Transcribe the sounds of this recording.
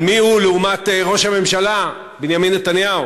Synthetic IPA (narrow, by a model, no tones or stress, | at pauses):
mihuleumat̪eʁo̞ʃhame̞mʃala | benjaminːet̪anjau